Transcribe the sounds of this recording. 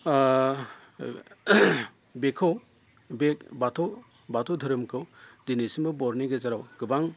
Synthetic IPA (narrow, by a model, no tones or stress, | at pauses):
bekʰɔw | bekbatʰɔ | batʰɔd̪ʱɯɾɯmkʰɯwdinisimbɯbɔɾniɡezaɾawɡ̥ɯbaŋ